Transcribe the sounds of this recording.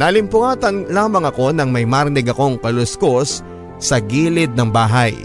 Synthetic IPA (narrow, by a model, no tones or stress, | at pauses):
nɐlɪmpʊaːt̪ɐnlaːmɐŋɐko̞nɐŋmɐjmaɾnɪɡɐko̞ŋkɐlʊskosː | ɐɡiːlɪd̪̚nɐŋbaːɦɐj